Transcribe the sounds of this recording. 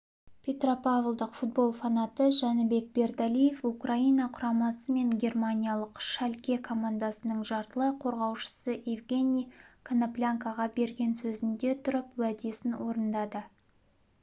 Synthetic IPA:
pʰʲe̞t̪ropavəlˠd̪əqfut̪̚bo̞lˠfanat̪əʒɑnəbe̞k̚be̞ɾd̪alijefukraijnɑqʰʊɾɑmɑsəme̞ŋɡʲe̞rmanʲijalˠəqʃælʲkʲe̞kʰo̞mand̪asənəɴʒɑɾt̪əlˠəqʰo̞ɾʁɑwʃə̥səʔevɡʲe̞nʲijkʰanaplʲaŋkaʁɑbe̞ɾɡʲe̞nsɵzɪnd̪e̞t̪ʰʊɾəpwæd̪e̞sɪnwo̞ɾənd̪ɑd̪ə

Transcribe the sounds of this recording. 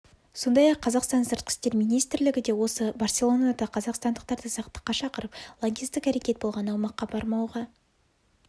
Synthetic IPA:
so̞nd̪ɑjɑqʰːɑzɑqst̪ɑnsəɾt̪̚qʲɪ̥st̪e̞ɾmijnijst̪ɾlɪɡʲɪd̪e̞wo̞səbɑrsʲe̞lˠo̞nad̪ɑqʰɑzɑqst̪ɑnd̪əq̚t̪ɑɾd̪əsɑqt̪ə̥qːɑʃɑqəɾəplˠonʲɡʲijst̪ɪkæɾe̞kʲe̞t̪̚bo̞lˠʁɑnɑwmɑqːɑbɑɾmɑwʁɑ

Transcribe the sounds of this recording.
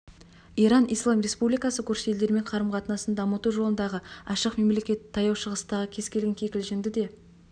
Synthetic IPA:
iɾɑnijslˠɑmɾe̞spublijkɑsəkʲɵɾʃeld̪e̞ɾme̞ɴqʰɑɾəmqɑt̪ənɑsənd̪ɑmət̪uʒo̞lənd̪ɑʁəɑʃəqme̞mle̞kʲe̞t̪ʰːɑjɑwʃəʁəst̪ɑʁəkʲʰe̞z̥kʲelɡʲeŋkʲʰekʲɪlʒɪmd̪ɪd̪e̞

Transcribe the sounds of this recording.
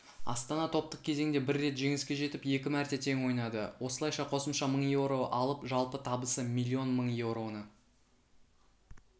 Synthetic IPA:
ɑ̰st̪ɑnɑt̪ʰo̞pt̪əq̚kʲʰe̞ze̞ŋd̪e̞bɪɾːe̞t̪ʒe̞ŋɪskʲe̞ʒe̞t̪ɪpje̞kʲɪmæɾt̪e̞t̪ʰe̞ŋwo̞jnɑd̪ə̰wʔo̞səlˠɑjʃɑqʰo̞səmʃɑməɴjewɾo̞ʔɑlˠəpʒɑlˠpət̪ʰɑbəsəmʲilʲːio̞nməɴje̞wɾo̞nə

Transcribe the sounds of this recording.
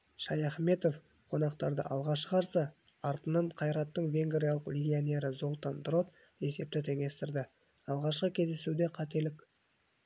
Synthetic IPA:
ʃɑjɑχme̞t̪o̞f | qʰo̞nɑqt̪ɑɾd̪ə̰ʔɑlˠʁɑʃqɑɾsə | ɑɾt̪ənɑɴqʰɑjɾɑt̪ːəɴve̞ŋɡɾʲijɑlˠəqlʲeɡʲionʲe̞ɾəzo̞lˠt̪and̪ɾo̞t̪ | e̞se̞p̚t̪ɪt̪ʰe̞ŋe̞st̪ɪɾd̪ɪ | ɑlˠʁɑʃqəkʲʰe̞zd̪e̞sud̪e̞qʰɑt̪e̞lɪkʲ

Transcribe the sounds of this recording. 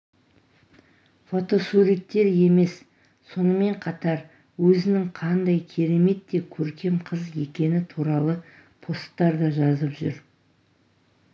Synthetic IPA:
fo̞t̪o̞suɾik̚t̪ːe̞ɾje̞me̞s | sːo̞nəme̞ɴqʰɑt̪ɑɾ | wɵzɪnɪŋqʰɑnd̪ɑjkʲʰe̞ɾe̞me̞t̪ːe̞kʲʰɵɾkʲe̞mqʰəzje̞kʲe̞nɪt̪ʰuɾɑlˠə | pʰo̞st̪ːɑɾd̪ɑʒɑzəpʒʏɾ

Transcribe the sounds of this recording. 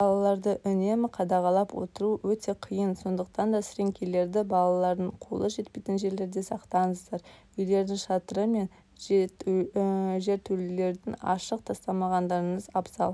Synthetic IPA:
bɑlˠɑlˠɑɾd̪əʔʏne̞mɪqʰɑd̪ɑʁɑlˠɑpwo̞̰t̪əɾuwɵt̪e̞qʰijənso̞nd̪əq̚t̪ɑnd̪ɑsɾeŋkʲʰele̞ɾd̪ɪbɑlˠɑlˠɑɾd̪əɴqʰo̰lˠəʒe̞t̪̚pe̞jt̪ɪnʒe̞ɾle̞ɾd̪e̞sɑqt̪ɑɴəzd̪ɑɾ | ʏjle̞ɾd̪ɪŋʃɑt̪əɾəme̞n | ʒe̞ɾt̪ʰɵlle̞ɾd̪ɪŋɑ̰ʃəq̚t̪ʰɑst̪ɑmɑʁɑnd̪ɑɾəɴəzɑpsɑlˠ

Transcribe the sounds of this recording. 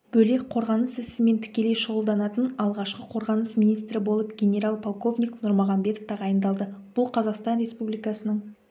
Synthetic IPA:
b̥ɵle̞k̚qʰo̞ɾʁɑnəsɪsɪme̞nt̪ʰɪ̥kʲe̞le̞jʃəʁəlˠd̪ɑnɑt̪ənɑlˠʁɑʃqəqʰo̞ɾʁɑnəsmijnijst̪ɾɪbo̞lˠəpɡʲe̞nʲe̞ɾalˠpʰolˠko̞vnʲijknʊɾmoʁɑnbe̞t̪oft̪ɑʁɑjənd̪ɑlˠd̪əb̥ʊlˠqʰɑzɑqst̪ɑnɾe̞spublijkɑsənəɴ

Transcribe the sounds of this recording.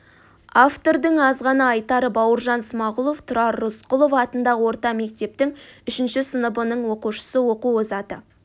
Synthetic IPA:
aft̪o̞ɾd̪əɴɑzʁɑnəɑjt̪ɑɾəbɑwəɾʒɑnsmɑʁʊlˠo̞ft̪ʰʊɾɑɾːʊsqʊlˠo̞fɑt̪ənd̪ɑʁəwo̞ɾt̪ɑme̞k̚t̪e̞p̚t̪ɪŋʏʃɪnʃɪsənəbənəɴwo̞quʃə̥səwo̞quozɑt̪ə

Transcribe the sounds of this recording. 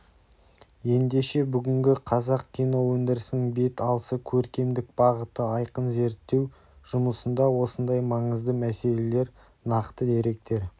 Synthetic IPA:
je̞nd̪e̞ʃe̞bʏɡʲɪŋɡʲɪqʰɑzɑqkʲijno̞wɵnd̪ɪɾɪsɪnɪŋbe̞t̪ɑlˠəsəkʲʰɵɾkʲe̞md̪ɪk̚bɑʁət̪əɑjqənze̞ɾt̪ːe̞w | ʒ̥ʊməsənd̪ɑwo̞sənd̪ɑjmɑɴəzd̪əmæse̞le̞le̞ɾ | nɑqt̪əd̪e̞ɾe̞k̚t̪e̞ɾ

